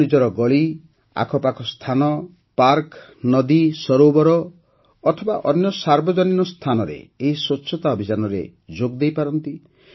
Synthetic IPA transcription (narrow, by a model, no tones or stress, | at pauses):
id͡ʒɔɾɔɡɔɭi | a̰kʰɔpakʰɔst̪ʰanɔ | paɾk | nɔd̪isɔɾobɔɾɔː | t̪ʰɔbaʔɔnjɔsaɾbɔd͡ʒɔninɔst̪ʰanɔɾḛːɦiswɔtːʃʰɔt̪aɔbʱid͡ʒanɔɾḛd͡ʒoɡd̪ejpaɾɔnt̪i